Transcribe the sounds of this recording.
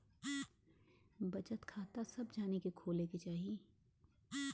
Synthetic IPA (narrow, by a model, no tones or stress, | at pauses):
bɐt͡ʃət̪kʰaːt̪asɐbd͡ʒaːnekekʰoːleket͡ʃaːɦieː